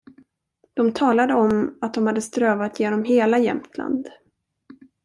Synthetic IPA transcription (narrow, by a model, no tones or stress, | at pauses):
d̪̥ɔmt̪ʰɑːlad̪əɔmat̪̚d̪ɔmhad̪ːəst̪ɾøːvat̪ʰjeːnɔmɦeːlajɛ̰mt̪ʰla̰nd̪